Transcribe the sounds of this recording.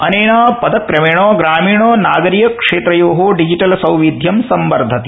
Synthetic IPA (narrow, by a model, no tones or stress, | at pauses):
ɐneːɳaːpɐd̪ɐkɾɐmeːɳoːɡɾaːmiːɳoːnaːɡɐɾijɐkʂeːt̪ɾɐjoːɦoːɖid͡ʒiʈɐlsɐwʋid̪ʱjɐmsɐmbɐɾd̪ʱɐt̪i̥